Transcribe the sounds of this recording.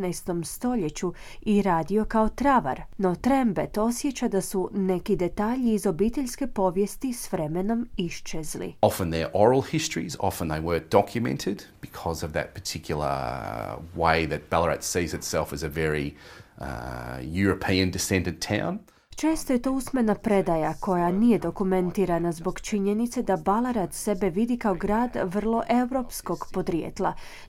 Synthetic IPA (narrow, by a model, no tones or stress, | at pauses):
najst̪o̞mst̪o̞ʎet͡ɕu | iɾaːd̪io̞kaot̪ɾaʋa̰ɾno̞t̪ɾembet̪o̞sjet͡ɕad̪asune̞kid̪e̞t̪aːʎiːzo̞bit̪e̞ʎʲske̞po̞ʋjest̪isʋɾemeno̞miʃt͡ʃezlḭɑfə̃nðə˞ʔɔɹl̩ˠhɪstɹ̥ḭzɑ̰fə̃nðeɪwə˞dɑkʰjɨmɛ̰̃ntʰɪdb̥ɨkʰɔzʌvðɨ̰t̚pʰə̥˞tʰɪkʰjl̩ˠə̰˞ | weɪðɨt̚b̥ælˠəɹɛ̰tsizɨtsɛlˠfɨzɨvɛɹḭ | jʊɹɨpʰĩɨ̃ndɨsɛ̃ndɨ̃ntʰãʊ̃n | t͡ʃe̞ːst̪oje̞t̪oːusmenapɾe̞d̪ajakʰo̞janije̞d̪o̞kumẽnt̪iːɾanazbo̞ɡt͡ʃiɲenit̪se̞d̪abalˠaɾad̪se̞be̞ʋid̪ikaoɡɾaːd̪ʋr̩lˠo̞ʔe̞wɾo̞ːpsko̞ɡpo̞d̪ɾjḛt̪lˠa̰